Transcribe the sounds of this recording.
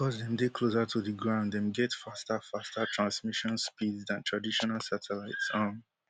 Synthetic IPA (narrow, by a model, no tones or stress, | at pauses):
kɔsdɛ̃mdekʰlozatʰuðiɡɹãʊ̃nddɛ̃mɡɛtfastafastatʰɹãnsmiʃɔ̃nspidzdãntʰɹadiʃɔnalˠsatʰɛlaɪtsʌm